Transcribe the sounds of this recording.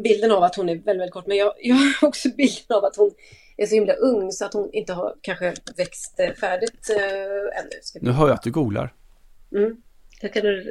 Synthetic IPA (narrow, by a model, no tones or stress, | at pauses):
bɪld̪ənavat̪hʊnæɾvɛlvɛlkʰɔʈːmɛnjɑːjɑːɔksɔbɪld̪ənavat̪hʊn | æʂɔhɪmlaʔɵŋːsɔat̪hʊnɪnt̪əha̰ɾkʰanɧəvɛkst̪fæːɖɪt̪ | ɛ̰nːʉ̰sknʉ̟ːɦœːɾjad̪ɵɡuːɡla̰ɾm̩ːd̪ɛkʰand̪ɵ